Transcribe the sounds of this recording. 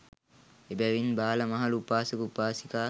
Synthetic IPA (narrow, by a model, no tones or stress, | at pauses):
ebæʋinbaːlɐmɐɦɐluupaːsukupaːsikaː